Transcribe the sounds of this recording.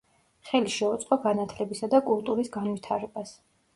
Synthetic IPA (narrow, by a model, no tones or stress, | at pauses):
χɛliʃɛut̪sʼqʼɔɡanat̪ʰlɛbisad̪akʼulˠt̪ʼuɾisɡanvit̪ʰaɾɛbas